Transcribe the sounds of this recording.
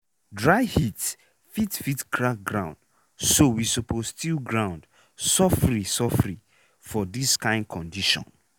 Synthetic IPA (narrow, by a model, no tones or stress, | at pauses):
dɹaɪhit | fitfitkʰɹak̚ɡɹãʊ̃nd̥ | sowisopostilɡɹãʊ̃nd | sɔfɹisɔfɹi | fɔdiskãɪ̃nd̚kʰɔ̃ndiʃɔ̰̃n